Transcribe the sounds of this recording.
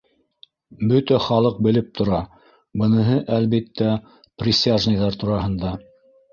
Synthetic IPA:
bɵt̪æχɑlˠɤq̚bɘ̆lɘp̚t̪ŏɾɑ | bɤ̆nɤ̆ɦɤʔælβit̪ːæ | prʲɪsʲaʒnijðɑɾt̪uɾɑɦɤ̆nd̪ɑ

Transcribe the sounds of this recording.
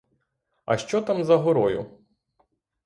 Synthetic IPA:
ɐ̰ʃt͡ʃɔt̪amzɐɦɔɾɔjʊ̰

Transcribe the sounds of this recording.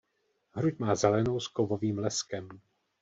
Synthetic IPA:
ɦɾucmaːzɛlɛno̞wskovoviːmlɛskɛm

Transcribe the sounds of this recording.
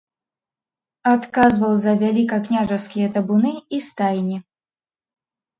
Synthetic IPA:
at̪kazvɐwzɐvʲalʲikɐknʲaʐɐskʲijɐt̪ɐbunɨist̪ajnʲi

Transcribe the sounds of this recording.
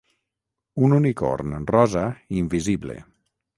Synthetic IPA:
ununiko̰ɾnrɔzaiɱviziblḛ

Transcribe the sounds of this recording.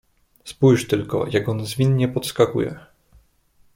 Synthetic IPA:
spujʂt̪ɘlkɔ̰jakɔnzvʲinɲɛpɔt̪skakṵjɛ̰

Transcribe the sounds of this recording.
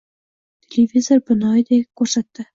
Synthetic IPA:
tʲelʲevʲizorbɤ̆nɑjd̪ʲekorsɑt̪ːɤ̆

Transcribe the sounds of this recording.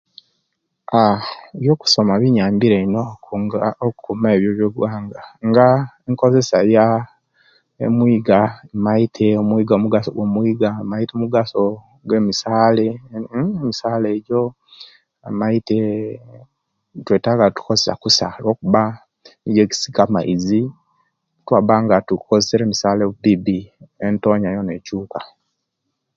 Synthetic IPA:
aiβjoːku̥so̞maβiɲaːmbiɾeinoaokukumeeβjoβjoɡwaːŋɡaŋɡaeŋko̞ze̞saja | ḛmwiːɡaemaitʰeomwiːɡamuɡasoɡwomwiːɡamaitomuɡaso | ɡwe̞misaːleemisaːleɟo̞ | emaite | tweːtaɡatu̥kozesa̰kusalwo̞ːkuβa | niɟeki̥si̥kamaizi | twaβaŋɡatukozeseɾeːmisaːleβubibientoɲajonecuːkḁ

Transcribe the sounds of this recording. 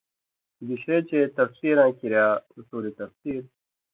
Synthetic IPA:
diɕeːt͡ɕeːt̪ɐfsiːɾãːkiɾjaːsuːɾit̪ɐfsiːɾ

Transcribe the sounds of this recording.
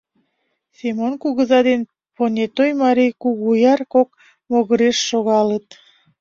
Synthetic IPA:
semonkuɣəzɑd̪en | ponʲet̪ojmɑɾijkuɣujɑrkok̚ | moɣəɾeʃːoɣɑlət̪̚

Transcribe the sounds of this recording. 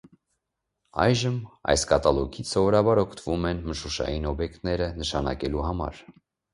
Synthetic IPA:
ɑ̰jʒəmɑ̰jskɑt̪ɑlɔɡʰit͡sʰsɔvɔɾɑbɑɾɔkʰt̪ʰəvumɛnməʃuʃɑ̰jinɔbjɛkt̪nɛɾənəʃɑnɑ̰kɛluɦɑmɑ̰ɾ

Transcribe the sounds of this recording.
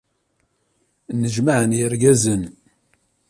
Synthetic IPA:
nəʒmaʕənjəɾɡæzən

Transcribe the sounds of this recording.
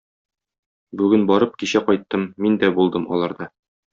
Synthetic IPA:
bʉɡɘnbɒɾɤp̚kiɕæqɒjt̪ːɤmːind̪æbulˠd̪ɤmɒ̰lˠɑɾd̪ɑ

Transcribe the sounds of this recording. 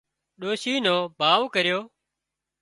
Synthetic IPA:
ɗoːʃiːnoːbʱaːʋkəɾjoː

